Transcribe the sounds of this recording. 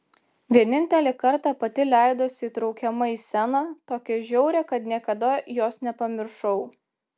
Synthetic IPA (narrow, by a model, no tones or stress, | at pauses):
ʋʲiɛnʲɪnʲt̪ʲɛlʲɛkɐɾt̪ɑːpɐt̪ʲɪlʲæˑɪd̪oːsʲɪiːt̪ɾɒʊkʲɛmɐiːsʲɛnɑːt̪oːkʲɪʒʲɛʊɾʲɛkɐt̪nʲiɛkɐd̪ɐjoːsnʲɛpɐmʲɪɾʃɐʊ